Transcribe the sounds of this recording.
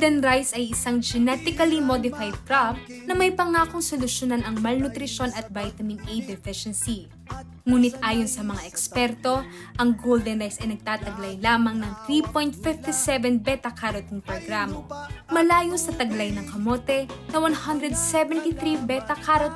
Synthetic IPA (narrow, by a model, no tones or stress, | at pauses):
d̪ɛnɾajsɐjʔɪsaŋd͡ʒɛnɛt̪ɪkɐlimod̪ɪfajd̪̚kɾab̚nɐmɐjpɐŋaːkoŋsolʊʃonanɐŋmɐlnʊt̪ɾɪʃo̞nɐt̪̚vajt̪ɐmɪnʔejd̪ɛfɪʃɛnsi | ŋuːnɪt̪ʔaːjonsɐmɐŋaʔɛkspɛɾt̪o̞ʔɐŋɡowld̪ɛnɾajsɐjnɐɡ̚t̪aːt̪ɐɡlɐjlaːmɐŋnɐŋt̪ɾipojnt̪̚fɪft̪isɛvɛnbɛt̪ɐkʰaɾot̪ŋpɾoɡɾamɐmɐlaːjosɐt̪ɐɡlɐjnɐŋkɐmo̞ːt̪ɛnɐwɐnhɐnd̪ɾɛd̪̚sɛvɛnt̪iθɾibɛt̪ɐkʰaɾot̪